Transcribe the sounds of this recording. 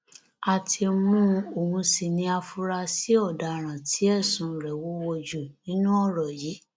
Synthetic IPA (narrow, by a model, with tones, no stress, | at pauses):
a˨tʰi˧mũ˦o˨hũ˧si˨nĩ˧a˧fu˧ɾa˧si˨˦ɔ˦˨da˨ɾ̃ã˨tʰi˨˦ɛ˦˨sũ˧˦˨ɾɛ˨wo˨˦wo˧d͡ʒu˨nĩ˦nũ˦ɔ˦˨ɾɔ˨ji˨˦